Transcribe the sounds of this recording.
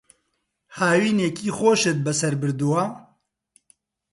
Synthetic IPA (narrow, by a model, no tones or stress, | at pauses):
haːwiːneːkiːxoːʃɨt̪̚bɛsɐɾbɨɾd̪uwa